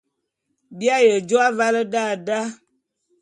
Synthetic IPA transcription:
bi˦a˦jə˨d͡ʒo˦a˦va˦lə˦da˦˨da˦

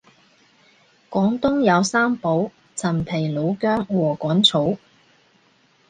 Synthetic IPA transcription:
kɔː˨˥ŋt̪ʊ˥ŋjɐ˨˧wsaː˥mpo˨˥w | t͡sʰɐ˨˩npʰe˨˩jlo˨˧wkœː˥ŋwɔː˨˩kɔː˨˥nt͡sʰo˨˥w

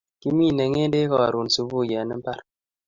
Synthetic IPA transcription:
ki˦mi˦˨ne˨ŋe˦de˦kɔ˦a˨ɾu˨n˨su˨bu˦˨ja˨ni˦m̩˦ba˦ɾ

